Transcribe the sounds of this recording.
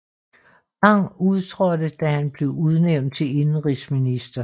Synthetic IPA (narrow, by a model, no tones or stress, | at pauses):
ɡ̥ɑ̈ŋ̰uðˠt͡sʰʁɒdəd̥æhænb̥le̝ʊuð̞ˠneʊ̰nd̥̚t͡sʰe̝e̝nn̩ʁisminisd̥ɐ